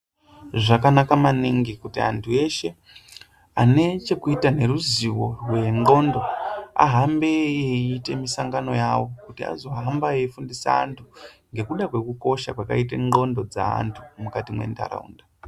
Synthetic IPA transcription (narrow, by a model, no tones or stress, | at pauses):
ʐakanakamaniŋɡikutia̰ntʰue̞ʃe̞ | ane̞t͡ʃe̞kuitane̞ɾuziwo̞rwe̞ŋ͡ǃo̞ndo̞a̰ɦambeeiːte̞misaŋɡano̞jawo̞kutia̰zo̞ɦambaefundisa̰a̰ntʰuŋɡe̞kuɗakwe̞kuko̞ʃa̰kwaka̰it̬eŋ͡ǃo̞ndo̞d͡za̰a̰ntʰumukatimwe̞̰nta̰ɾa̰ṵnda